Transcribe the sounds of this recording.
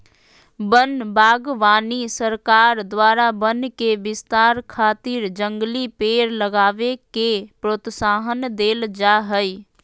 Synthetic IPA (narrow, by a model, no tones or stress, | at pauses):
bənbaːɡʋaːnisəɾkaːɾd̪waːɾabənkeʋɪst̪aːɾkʰaːt̪ɪɾd͡ʒəŋɡlipeːɾləɡaːʋekepɾoːt̪saːɦənd̪eːld͡ʒaɦəi